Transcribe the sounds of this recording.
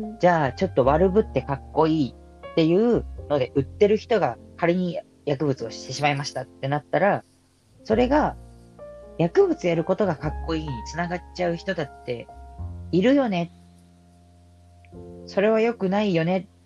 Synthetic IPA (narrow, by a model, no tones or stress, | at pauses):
d͡ʑaːt͡ɕo̞t̪ːo̞βaɾɯ̟bɯ̟t̪ːe̞kakːo̞iː | t̪ːe̞jɯ̟ːno̞d̪e̞ʔɯ̟t̪ːe̞ɾɯ̟çi̥t̪o̞ɡakaɾeɲ̟i | jakɯ̟bɯ̟t͡sɨo̞ɕi̥t̪e̞ɕimaimaɕi̥t̪at̪ːe̞nat̪ːaɾa | so̞ɾe̞ɡa | jakɯ̟bɯ̟t͡sɨjaɾɯ̟ko̞t̪o̞ɡakakːo̞iːɲit͡sɨnaɡat͡ɕaɯ̟çi̥t̪o̞t̪at̪ːe̞̰ | iɾɯ̟jo̞ne̞t̪ | so̞ɾe̞β̞ajo̞kɯ̟naijo̞ne̞